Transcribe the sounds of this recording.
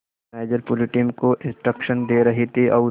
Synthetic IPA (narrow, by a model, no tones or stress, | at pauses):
eːd͡ʒəɾpʊlɪʈiːmkoʔɪ̃nsʈɾəkʃənd̪eːɾɐɦet̪ʰiʔɔː